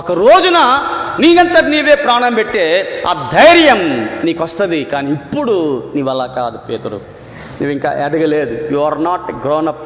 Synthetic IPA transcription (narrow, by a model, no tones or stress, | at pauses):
ɔkɐɾoːd͡ʒunɐniːɡɐnt̪ɐniːʋe̞ːpɾaːɳɐmbeʈːeːɐ̰d̪ʱɐjɾjɐmniːkʋɐst̪ɐd̪ikaːniːpːuɽuniːʋɐlːaːkaːd̪upeːt̪ɐɾṵ | nḭːʋiŋka̰ːʔɛd̪ɐɡɐleːd̪ujuːʋɐɾnaːʈɡɾoːnɐp̚